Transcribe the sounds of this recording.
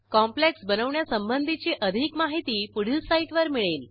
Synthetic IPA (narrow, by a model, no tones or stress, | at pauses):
kɔmpleksbənəʋɳjasəmbənd̪ʱit͡ɕiʔəd̪ʱikmaɦit̪iːpuɽ̤ilsaiʈʋəɾmiɭel